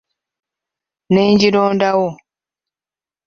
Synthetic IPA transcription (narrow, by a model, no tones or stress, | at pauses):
neɲɟiɾoːndawo